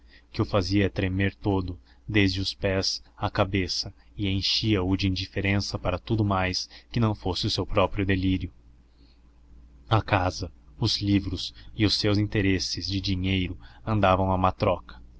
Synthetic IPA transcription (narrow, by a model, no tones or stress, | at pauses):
kɪʊfaziɐt̪ɾemeɾt̪od̪ʊ | d̪ezd͡ʒɪʊspɛzakabesɐ | ɪẽj̃ʃiɐʊd͡ʒɪĩnd͡ʒifeɾẽsɐpaɾɐt̪ud̪ʊmajskɪnɐ̃w̃fosɪʊsewpɾɔpɾjʊd̪eliɾjʊ | ɐkazɐʊzlivɾʊzɪʊsːewzĩnt̪eɾesɪzd͡ʒɪd͡ʒiɲejɾʊɐ̃nd̪avɐ̃w̃ɐmat̪ɾɔkɐ̥